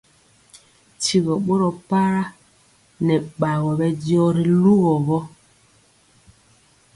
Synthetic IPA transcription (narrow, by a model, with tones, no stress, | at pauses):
ti˨ɣɔ˨ɓo˦ɾɔ˨pa˦ɾa˦ | nɛ˨ɓa˨ɣɔ˨bɛ˨djɔ˦ɾi˨lu˦ɣɔ˨βɔ˦